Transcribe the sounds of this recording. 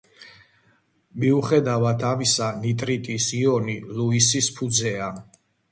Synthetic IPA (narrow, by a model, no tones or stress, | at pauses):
miuχɛd̪avat̪ʰamisanit̪ʼɾit̪ʼisiɔniluisispʰud̪zɛa